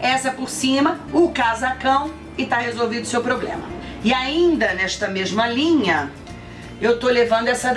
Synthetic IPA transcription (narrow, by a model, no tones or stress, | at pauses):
ɛsɐɛpoɾsĩmɐ | ʊkazakɐ̃w̃ | ɪt̪ahezowvĩd̪ʊsewpɾoblḛ̃mɐ̰ | ɪaĩnd̪ɐnɛʃt̪ɐmeʒmɐlĩɲɐ | ewt̪olevɐ̃nd̪ʊɛsɐ